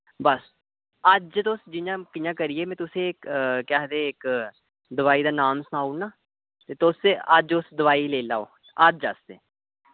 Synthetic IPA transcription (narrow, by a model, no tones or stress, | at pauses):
bəs | əd͡ʒt̪ʊsd͡ʒɪjãːkɪjãːkəɾɪeːmɛ̃ːt̪ʊsẽːkkɛːɦd̪eːɪk | d̪əʋaːiːd̪aːnaːmsənaːunaː | t̪eːt̪ʊseəd͡ʒʊsd̪əʋaːiːleːla̰ːo̰ː | əd͡ʒd͡ʒasd̪ḛː